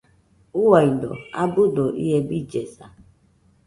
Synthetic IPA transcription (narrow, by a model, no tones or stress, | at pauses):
uwɔido̰abʊdoʔḭɦebid͡ʒesa